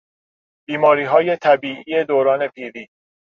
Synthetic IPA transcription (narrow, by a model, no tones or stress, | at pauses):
b̥iːmɒːɾiːɦɒːje̞t̪ʰæbiːʔiːe̞d̪oːɾɒːne̞pʰiːɾiː